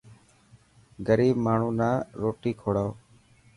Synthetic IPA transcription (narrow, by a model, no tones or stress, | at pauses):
ɡəɾiːbmaːɳ̤ũːnaːɾoːʈiːkʰoːɽaː